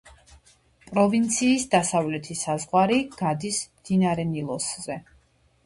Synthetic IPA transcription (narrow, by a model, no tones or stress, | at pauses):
pʼɾɔvint̪sʰiːsd̪asavlɛt̪ʰisazʁwaɾiɡ̥ad̪ismd̪̥inaɾɛnilˠɔszɛ